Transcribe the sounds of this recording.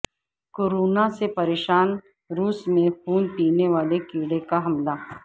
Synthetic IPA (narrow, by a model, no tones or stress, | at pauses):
koːɾoːnasepɐɾeːʃaːn | ɾuːsmẽpʰuːnpiːneʋaːlekiːɽekaɦɐmla